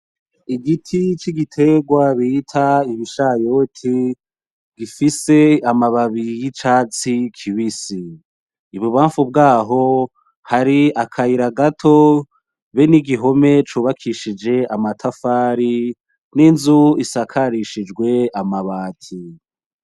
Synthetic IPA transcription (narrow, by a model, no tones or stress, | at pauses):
iɡitʰit͡ʃiɡitʰe̞ɡwaβitʰaiβiʃajotʰi | ɡifise̞amaβaβijit͡ʃaːt͡sikʰiβisiː | βuβaːɱfub̚ɡaːɦo̞ | haɾiakʰaiɾaɡatʰo̞ | βeniɡiɦo̞me̞t͡ʃuːβakʰiʃid͡ʒe̞amatʰafaːɾi | ninzuisakʰaɾiʃid͡ʒɡwe̞amaβaːtʰi